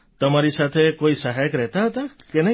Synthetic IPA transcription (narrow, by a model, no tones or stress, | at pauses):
t̪əmaɾisat̪ʰekoisaɦajəkɾɛɦt̪aɦɔt̪akenə